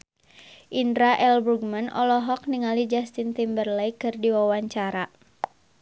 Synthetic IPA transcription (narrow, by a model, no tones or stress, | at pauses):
ʔindɾaʔɛlbuɡmanɔ̰lɔɦɔk̚niŋalid͡ʒast̪int̪imbərlɛjkɨrdiwawaɲt͡ʃaɾa